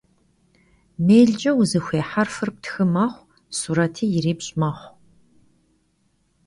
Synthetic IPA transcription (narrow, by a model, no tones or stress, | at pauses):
meːɮd͡ʒʼɐwzɨxʷeːħarfɨrp̚tʰxɨmɐχʷ | suːɾɐtʰiːjɪɾiːbɕʼmɐχʷ